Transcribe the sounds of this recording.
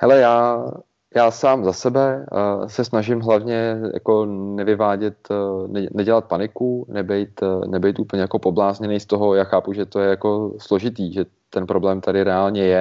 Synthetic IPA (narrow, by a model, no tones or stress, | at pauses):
hɛlɛjaː | jaːsaːmzasɛbɛsɛsnaʒɪmɦlavɲɛja̰ko̞nɛvɪvaːɟɛt̪nɛnɛɟɛlat̪̚panɪkunɛbɛjt̪nɛbɛjt̪uːpl̩ɲɛjakopoblaːzɲɛnɛjst̪o̞ɦojaːxaːpuʒɛt̪ojɛjako̞slo̞ʒɪt̪iːʒɛ | t̪ɛnpɾo̞blɛːmt̪adɪɾɛaːlɲɛjɛ